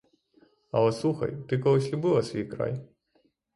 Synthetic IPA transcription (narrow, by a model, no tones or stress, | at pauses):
ɐlˠɛslˠuxɐ̰jt̪ɨkɔlˠɔsʲlʲubɨlˠɐsʲvʲijkɾa̰j